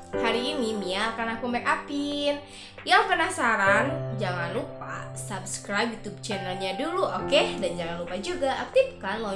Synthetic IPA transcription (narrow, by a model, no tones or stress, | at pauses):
haɾiːnimialkanakumbɛkapin | jaŋkənasaɾand͡ʒaŋanlupa̰sabskɾajpjut̪ub̚t͡ʃɛnərɲaduluʔokedand͡ʒaŋanlupad͡ʒuɡaʔak̚t̪ip̚kanlɔ